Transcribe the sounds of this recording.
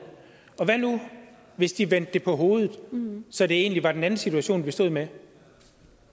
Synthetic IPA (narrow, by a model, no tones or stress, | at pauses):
ɒ̽ʋænu | ʋe̝sd̥iʋen̰d̥ːe̝pʰɒ̽ɦo̝ːð̞ˠð̩ˠsɒ̽d̥e̝e̝̰ːnliʋɑ̈d̥enæn̩sit͡sʰuæɕo̝̰ːnʋisd̥o̝ːð̰ˠme